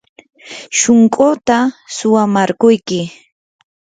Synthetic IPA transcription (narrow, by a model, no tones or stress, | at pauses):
ʃʊŋkʼot̪asʊwamaɾkʊjkɪ